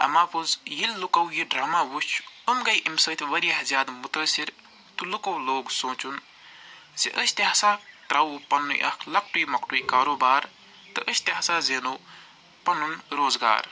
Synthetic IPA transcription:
ɐ̰maːpuzjilːukɐwjiɖɾaːmaːʋut͡ʃʰumɡɐjʔimsəːt̪ʰʋɐɾiɦɐzjaːd̪mut̪ɐːsiɾ | t̪ulukɐwloːɡsõːt͡ʃun | ziʔəsʲt̪iɦasaːʈɾɐwupɐnːṵjʔɐ̰kʰlɐk̚ʈujmɐkʈujkaːɾoːbaːɾ | t̪ɨʔəsʲt̪iɦɐsaːzeːnow | pɐnunɾoːzɡa̰ːɾ

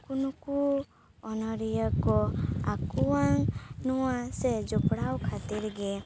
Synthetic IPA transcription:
kunɔku | ɔnɔɾijəkɔa̰kuaŋnɔwased͡ʒɔpɽawkʰat̪iɾɡe

